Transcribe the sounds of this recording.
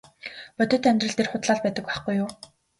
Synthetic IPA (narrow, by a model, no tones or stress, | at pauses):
pœt̪ʲɵ̆ːt̪aœmʲt̪rə̆ɮt̪ʰerχʊt̪ɮaːɮpæːt̪ə̆kwæχɡujːʊː